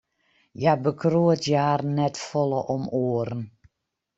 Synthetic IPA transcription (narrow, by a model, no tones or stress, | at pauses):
jabəkroətjaːrnɛtfɔlˠəʔɔmoəɾən